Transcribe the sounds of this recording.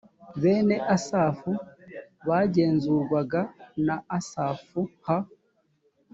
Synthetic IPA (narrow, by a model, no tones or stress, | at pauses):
βe̞ːne̞ʔasaːfu | βaːɟe̞ːnzuɾɡwaɡanaːsaːfuha